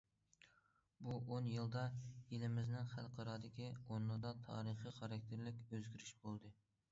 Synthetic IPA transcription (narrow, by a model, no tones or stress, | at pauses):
buʔonjɨlˠd̪ɑjelɪmɪznɪŋχælˠqʰɑɾɑːd̪ɪkʲionːud̪ɑt̪ʰɑ̰ːɾɨχiχɑɾɑk̚ʲt̪ʰeɾlɪkʲøzɡʲyɾyʃbolˠd̪ɨ